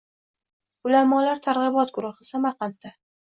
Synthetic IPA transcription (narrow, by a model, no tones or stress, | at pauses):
ʊlamɒlaɾt̪ʰaɾʁɨbɒt̪̚ɡʊɾʊhɨsamaqɑnt̪ʰːa